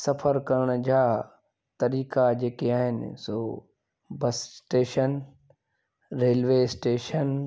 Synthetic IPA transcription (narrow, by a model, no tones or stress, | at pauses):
sɐfʰəɾkɐɾəɽ̃ʊd͡ʑaː | t̪ɐɾiːkad͡ʑeːkeaːɦɪnɪ̰soː | bɐssʈeːʃən | ɾeːlʋeːsʈeːʃən